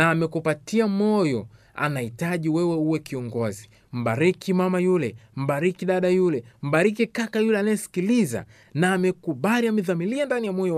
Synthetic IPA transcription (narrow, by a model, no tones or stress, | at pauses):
naːmɛkupatiamɔjɔ | a̰nahitaʄiwɛwɛuwɛkiɔŋɡɔzi | m̩ɓaɾikimamajulɛm̩ɓaɾikiɗaɗajulɛm̩ɓaɾikikakajulɛanajɛsi̥kiliza̰ | naːmɛkuɓaliamiðamiliandanijamɔjɔ